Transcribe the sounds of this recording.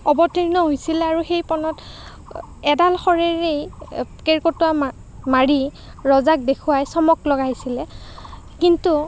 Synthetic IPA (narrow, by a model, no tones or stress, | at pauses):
ɔbɔtiɹnɔɦojsilɛaɹuxejpɔnɔt | ɛdalxɔɹeɹejkeɹkotuam | maɹi | ɹɔzak̚dekʰʊwajsɔmɔklɔɡaɦisilɛ | kintu